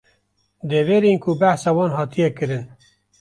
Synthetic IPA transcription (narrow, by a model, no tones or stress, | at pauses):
d̪eveːɾenkʰubæhsɑːwɑːnɦɑːt̪ʰijɛkɨɾɨn